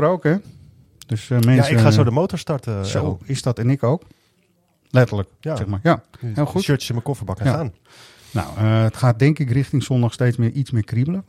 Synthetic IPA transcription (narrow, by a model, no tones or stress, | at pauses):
rowkɛ | døsmɛnasəaːsoːdəmowtɔɹstɑɹtəsowɪsdɔtɛnɪkowk | lɛtələksɛxmaɹjaheːllˠxutøtəsɪnməkɔfəbɑkaaːn | na̰wəətxaːt̚dɛŋkɪkrɪχtɪŋsɔndɔxstejt͡smɪʔismɪːkribələ